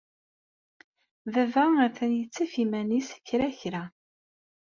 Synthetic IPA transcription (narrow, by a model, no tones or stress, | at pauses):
ðævææθænjət͡sːæfimænisçɾæçɾæ